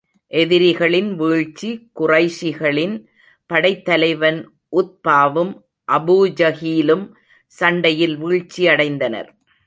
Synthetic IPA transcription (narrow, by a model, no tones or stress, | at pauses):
ʔɛðɪɾɪɣɐɭɪnʋiːɻt͡ʃːikʊrɐɪʂɪɣɐɭɪn | pɐɽɐɪt̪ːɐlɐɪʋɐn | ʔʊt̪̚paːʋɯm | ʔɐbuːd͡ʒɐɣiːlɯm | sɐɳɖɐjɪlʋiːɻt͡ʃːiɐɽɐɪnd̪ɐnɐ̰ɾ